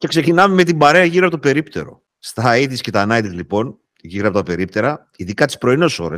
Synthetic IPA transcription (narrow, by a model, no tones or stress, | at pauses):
ce̞kse̞cinɐmeme̞t̪̬ibɐɾe̞ɐʝiɾiɐpot̪ope̞ɾipt̪e̞̰ɾo̞̰ | st̪ɐiðiscet̪ɐːnɐit̪izlipo̞n | ʝiɾiɐpot̪ɐpe̞ɾipt̪e̞ɾɐ | iðikɐt̪i̥spɾo̞inoso̞̰ɾḛs